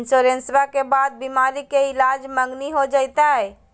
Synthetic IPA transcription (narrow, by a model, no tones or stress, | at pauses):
nsoɾensʋakebad̪̚bimaɾikeɪlad͡ʒməŋɡniɦod͡ʒəjt̪aɦɛ